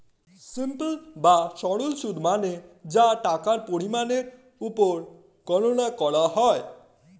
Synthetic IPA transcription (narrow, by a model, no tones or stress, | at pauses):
simplbaʃɔɽolʃud̪ʱmaned͡ʑaʈakaɾpoɾimaneɾ | upoɾ | ɡ̥ɔnonakɔɽaɦɔe